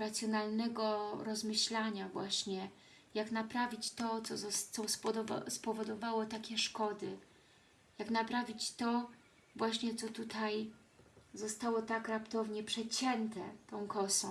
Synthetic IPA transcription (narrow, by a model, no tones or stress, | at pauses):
ɾat̪sʲjɔnalnɛɡɔɾɔzmɘɕlaɲavwaɕɲɛ | jaknapɾavʲit͡ɕt̪ɔt̪sɔt̪ɔspɔd̪ɔ̰spɔvɔd̪ɔvawɔt̪akʲɛʂkɔd̪ɘ | jaknapɾavʲit͡ɕt̪ɔ | vwaɕɲɛt̪sɔt̪ut̪ʰaj | zɔst̪awɔt̪akɾapt̪ɔvɲɛpʂɛt͡ɕɛnt̪ɛ̰t̪ɔ̃w̃kɔsɔ̃